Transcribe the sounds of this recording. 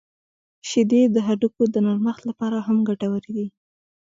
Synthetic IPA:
ʃɪd̪ed̪əɦaɖukod̪ənaɾməxt̪lapɑɾaɦamɡaʈawəɾed̪i

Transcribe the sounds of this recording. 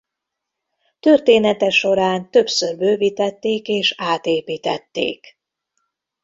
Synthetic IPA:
t̪ørt̪eːnɛt̪ɛʃo̞ɾaːnt̪ø̞psørbøːviːt̪ɛt̪ːeːkeːʃaːt̪eːpiːt̪ɛt̪ːḛːk

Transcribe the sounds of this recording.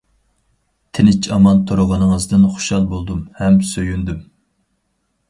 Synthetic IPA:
t̪ʰɪnɪt͡ʃʰɑmɑnt̪ʰoɾʊʁɑnɨŋəzd̪ɨnχo̥ʃɑlˠbolˠd̪umhɛmsøjynd̪ym

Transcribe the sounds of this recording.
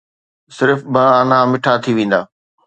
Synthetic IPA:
sɪɾfbɐaːnãmɪʈʰat̪ʰiʋẽːn̆d̪aː

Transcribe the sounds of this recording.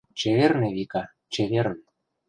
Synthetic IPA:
t͡ɕeβerneβikɑ | t͡ɕeβern

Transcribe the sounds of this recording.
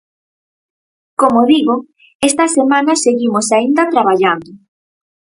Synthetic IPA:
komoðiɣʊ | est̪ɐsemãnaseɣimosaind̪ɐt̪ɾaβ̞aʎand̪ʊ

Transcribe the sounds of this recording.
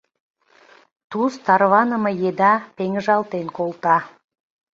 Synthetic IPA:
t̪ust̪ɑɾβɑnə̆mɤjed̪ɑpeŋʒɑlt̪enkolˠt̪ɑ

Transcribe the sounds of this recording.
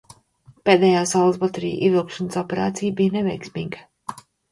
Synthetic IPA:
peːd̪ɛːjaːsalˠsbɔt̪eɾḭːʔḭɛvilˠkʃanəsɔpɛɾa̰ːt̪sijbijnevɛjksmiːɡə

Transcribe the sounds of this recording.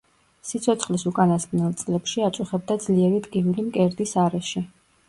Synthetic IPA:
sit̪sʰɔt̪sʰχlisukʼanasɡnɛlˠt̪sʼlɛpʃiat̪sʼuχɛb̚d̪ad̪z̥liɛɾid̪ɡivulimkʼɛɾd̪isaɾɛʃi

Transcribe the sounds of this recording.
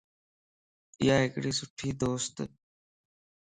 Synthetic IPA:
ɪjaːɦekɽiːsʊʈʰiːd̪oːst̪

